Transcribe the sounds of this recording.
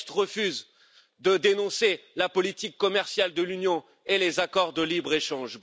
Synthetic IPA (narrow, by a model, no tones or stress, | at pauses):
t̪ʁəfyz | d̪əd̪enɔ̃selapɔlit̪ikːɔmɛʁsjald̪əlynjɔ̃ | elezakɔʁd̪əlibʁeʃɑ̃ʒb